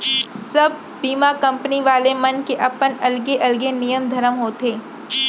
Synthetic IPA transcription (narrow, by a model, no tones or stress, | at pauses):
sɐb̚ʱ | biːmakɐ̃mpəniʋaːlemɐnkeʔɐpənɐlɡeʔɐlɡenijəmd̪ʱɐɾəmɦoːt̪eː